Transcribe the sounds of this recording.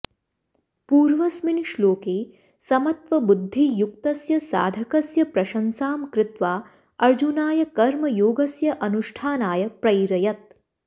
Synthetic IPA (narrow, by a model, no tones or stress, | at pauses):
puːɾʋɐsminʃloːkeː | sɐmɐt̪ʋɐbud̪ʱːijuk̚t̪ɐsjɐsa̰ːd̪ʱɐkɐsjɐpɾɐʃɐnsaːmkɾɪt̪ʋaː | ɐɾd͡ʒunaːjɐkɐɾmɐjoːɡɐsjɐʔɐnuʃʈʰaːnaːjɐpɾɐjɾɐjɐt̪̚